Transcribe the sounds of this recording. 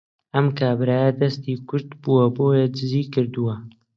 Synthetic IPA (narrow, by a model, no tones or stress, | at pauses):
ʔɐmkaːbɾaːjɐd̪ɐst̪iːkʰʊɾd̪buwɐboːjɛd͡ʒɪziːkɨɾd̪uwɐ